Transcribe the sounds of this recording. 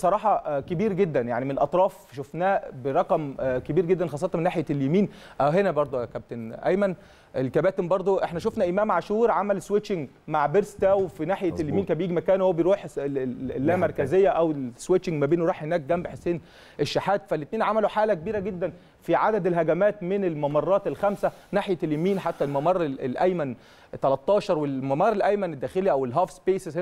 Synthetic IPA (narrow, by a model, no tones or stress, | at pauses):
sˤɑɾˤɑːħɑkebiːɾɡed̪ːænja̰ʕnimenelʔɑt̪ˤɾˤɑːfʃofnæːbeɾˤɑqɑmkebiːɾɡed̪ːænxɑsˤːɑt̪ɑmenːaːħjæljemiːnʔæwɦenæbɑɾˤd̪ˤokæb̚t̪enʔæ̰jmæn | ʔelkæbæːt̪embɑɾˤd̪ˤoʔeħnæʃ̬ofnæʔemæːmʕaʃuːɾʕamælswet͡ʃːɪŋɡ | maʕbeɾst̪æwefinaːħjælːjemiːnkæbjiːɡimækæːnwhowːæbejɾuːħelːæːmɑɾˤkæzejːæʔæweswet͡ʃːɪŋɡmæbeːnweɾuːħhenæːk̚ɡæmbeħesːeːn | ʔeʃːaħæːt̪fælːet̪neːnʕamæloħaːlækebiːɾæɡed̪ːæn | fiʕad̪æd̪elɦæɡæmæːt̪menelmɑmɑrˤːɑːt̪elxæmsæ | naħjeljæmiːnħat̪ːælmɑmɑrˤːeelʔæjmæn | t̪ælæt̪ˤːɑːʃɑɾˤwelmɑmɑːɾˤːelʔæjmæned̪ːæːxeliʔæwelɦæːfspeːseshe